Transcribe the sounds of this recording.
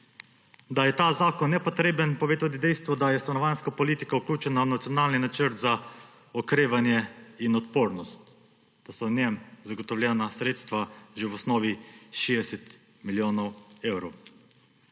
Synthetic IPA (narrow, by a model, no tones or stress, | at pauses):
d̪ajɛt̪aːzaːkɔnːɛpɔt̪ɾeːbənpɔʋeːt̪at̪id̪ɛjst̪ʋɔd̪ajɛst̪anɔʋanskapɔlit̪ikauklʲuːt͡ʃɛnawnat̪sijɔnaːlninat͡ʃəɾt̪za | ɔkɾeːʋanjɛinɔt̪poːɾnɔst̪ | d̪̥asɔnjɛmzaɡɔt̪ɔwlʲjɛːnasɾeːt̪st̪ʋaʒewɔsnɔːʋiʃeːd̪ɛsɛt̪ | miljoːnɔweːwɾɔw